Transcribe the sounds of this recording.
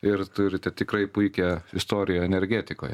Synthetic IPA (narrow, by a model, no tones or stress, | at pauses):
ɪrt̪ʊɾʲɪt̪ʲɛt̪ʲɪkɾɐɪpʊɪkʲɛɪst̪oːɾʲɪjoːɛnʲɛɾʲɡʲæːt̪ʲɪko̰ːjɛ